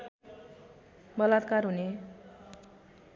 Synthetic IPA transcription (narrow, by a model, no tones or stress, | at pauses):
bʌlat̪karɦune